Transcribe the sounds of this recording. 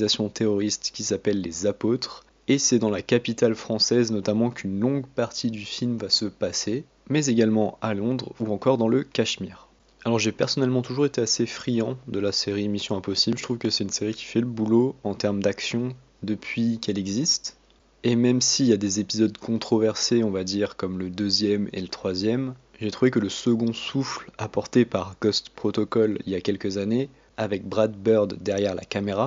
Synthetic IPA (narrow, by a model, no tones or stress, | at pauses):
zasjɔ̃t̪eʁɔʁist̪kʲisapɛlːezapot̪χ | esɛd̪ɑ̃lakapit̪alfχɑ̃sɛznɔt̪amɑ̃kʰynlɔ̃ɡpaʁt̪ʰid̪yfilmvasəpase | mɛzeɡalmɑ̃alɔ̃d̪ʁuɑ̃kɔʁd̪ɑ̃ləkaʃmiːʁ | alɔʁʒepɛʁsɔnɛlmɑ̃t̪uʒuʁet̪easefχijɑ̃d̪əlaseʁimisjɔ̃ãpɔsiblʒət̪χuvkəsɛt̪ynseʁikʲi̥fɛləbuloɑ̃t̪ɛʁmd̪aksjɔ̃ | d̪əpʰɥikɛlɛɡzist̪ | emɛmsiljad̪ezepizɔd̪kɔ̃t̪χɔvɛʁseɔ̃vad̪iʁkɔmləd̪øzjɛmḛlət̪χwazjɛm | ʒet̪χuvekələsəɡɔ̃suflapɔʁt̪epaʁɡɔst̪pχɔt̪ɔkɔlḭljakʲɛlkəzane | avɛk̚bʁad̪bœʁd̪ːɛʁjɛʁla̰kameʁa